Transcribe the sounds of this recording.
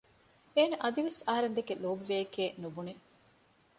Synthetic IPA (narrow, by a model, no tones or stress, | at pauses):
eːnɐʔɐd̪iʋesɐɦɐɾend̪ekeloːbiʋeːkeːnubune